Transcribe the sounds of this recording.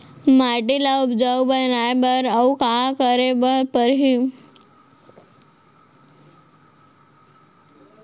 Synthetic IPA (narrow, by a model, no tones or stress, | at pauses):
maʈilaʊbd͡ʒawbənajbəɾəukakəɾebəɾpəɾɦi